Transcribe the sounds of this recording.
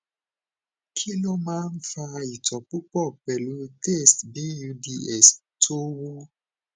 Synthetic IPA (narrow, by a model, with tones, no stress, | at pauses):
kʰi˦lɔ˦mãː˦n̩˦fa˧i˨tɔ˨k͡pu˦k͡pɔ˦˨k͡pɛ˨lu˨˦te˦˨sbi˦ju˧di˧ɛ˦˨s | to˦wo˦